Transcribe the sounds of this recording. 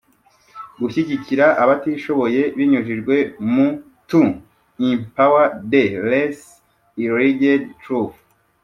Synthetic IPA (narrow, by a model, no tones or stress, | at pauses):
ɡuʃiɟiciɾaʔaβatiʃo̞βo̞je̞βiɲuʒiʒɡwe̞mu | tu | impawadeles | iɾiɡedtɾuf